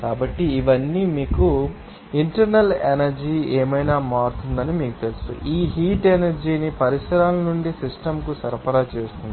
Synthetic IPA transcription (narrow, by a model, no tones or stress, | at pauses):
kaːbɐʈːiːʋɐnːiːmiːku | iɳʈɐɾnɐlenɐɾd͡ʒiːeːmɐjnaːmaːɾut̪und̪ɐnimiːku̥t̪elusṵʔiːɦiːʈenɐɾd͡ʒiːnipɐɾisɐɾaːlɐnuɳɖisisʈɐmkusɐɾɐpɐɾaːt͡ʃeːst̪und̪i